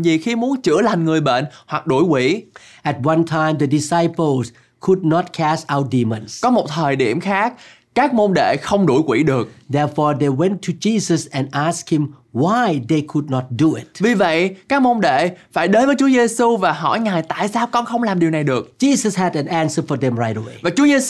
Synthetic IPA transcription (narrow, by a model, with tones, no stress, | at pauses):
zi˨˩xi˧mu˨˦ənt͡ɕɨ̰˧˥əla˨˩jŋ̟ŋɨ˨˩əjɓḛ˧˨nhwa˨˩k̚ɗu˧˩jkwḭ˧˥ | ʔɛ˨t̚wã˧ntʰã˧ɪmd̪ə˨di˨sajpəls | kʰu˨d̚nɔ˦t̚kʰɛsta˧wt̚di˧mə̃˨nskɔ˨˦mo˨˩t̚t̪ʰəː˨˩jɗi˧˩əmxaː˦˥k̚ | kaː˦˥k̚mo˧nɗḛ˧˨xə˧wŋ͡mɗu˧˩jkwḭ˧˩˥ɗɨ˨˩ək̚dɛ˧ɹfɔːɹd̪e˨wɛ̃˦ntʰːud͡ʒisəsɛ̃˨ndʔask̚hĩm | wajd̪e˨kʰu˨d̚nɔ˧t̚duɪt̚vi˨˩və̰˧˨jkaː˦˥k̚mo˧nɗḛ˧˨faː˧˩jɗə˨˦nvəː˨˦jt͡ɕu˨˦əze˧su˧vaː˨˩ɦɔ̰˧˩jŋaː˨˩jt̪a̰ː˧˨jsaː˧wkɔ˧nxə˧wŋ͡mlaː˨˩mɗi˨˩əna˨˩jɗɨ˨˩ək̚d͡ʒiː˧zəshɛdɛ̃˨nãnsəfɔ˨d̪ɛ̃˨mɹa˧jtəwevaː˨˩t͡ɕu˨˦əze˧